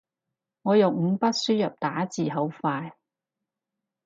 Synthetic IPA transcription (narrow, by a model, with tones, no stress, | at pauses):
ŋɔː˨˧jʊ˨wŋ̩˨˧pɐ˥t̚syː˥jɐ˨p̚t̪aː˨˥t͡siː˨ɦɐ˨˥wfaː˧j